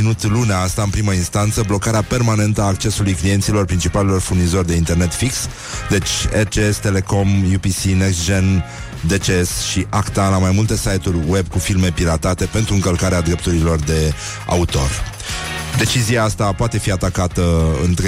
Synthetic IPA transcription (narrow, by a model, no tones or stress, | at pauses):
inut̪luneaast̪aɨnpɾiməinst̪ant̪səblo̞kaɾeape̞rmane̞nt̪əaːkt͡ʃe̞sulujklije̞nt̪silo̞rpɾint͡ʃipalelo̞rfurnizo̞rʲd̪e̞int̪e̞rne̞t̪fiks | d̪e̞t͡ʃʲert͡ʃeest̪e̞le̞ko̞mjupisineksd͡ʒen | d̪e̞t͡ʃeesʃiʔakt̪alamajmult̪e̞sajt̪urʲwe̞bkufilme̞piɾat̪at̪e̞pe̞nt̪ɾuɨŋkəlkaɾead̪ɾe̞p̚t̪uɾilo̞rd̪e̞ | a̰ut̪o̞̰r | d̪e̞t͡ʃiziaast̪apoat̪e̞fiat̪akat̪əɨ̰nt̪ɾ